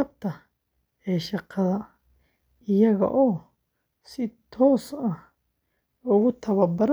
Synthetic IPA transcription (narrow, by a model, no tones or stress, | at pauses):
ɐb̚t̪ʰɐ | ɛːʃɑqɑðɐ | ɪjɐɣɐ̰ʔɔː | sɪt̪ʰɔːsɐh | ʊɣʊt̪ʰɐβɐrbɐɾ